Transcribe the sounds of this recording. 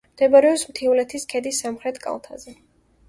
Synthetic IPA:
md̪̥ɛbaɾɛɔpsmt̪ʰiuvlɛt̪ʰiskʰɛd̪isːamχɾɛt̪ʰkʼa̰lˠt̪ʰazɛ

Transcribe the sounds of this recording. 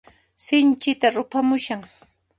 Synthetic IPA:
sɪnt͡ʃɪt̪aɾʊpamʊʃaŋ

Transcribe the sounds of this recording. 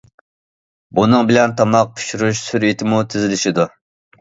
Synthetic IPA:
bunɨŋbɪlɛnt̪ʰɑmɑq̚pʰy̥ʃuɾuʃsyɾit̪ʰɪmut̪ʰɪzɪlɪʃid̪u

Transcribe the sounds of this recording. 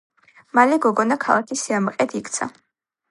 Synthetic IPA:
malɛɡɔɡɔnakʰalˠakʰisiamqʼɛt̪ʰikt̪sʰa̰

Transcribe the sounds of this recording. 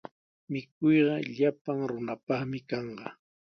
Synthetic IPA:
mɪkʊjɢɑʎapaŋɾʊnapɑχmɪkɑɴɢɑ

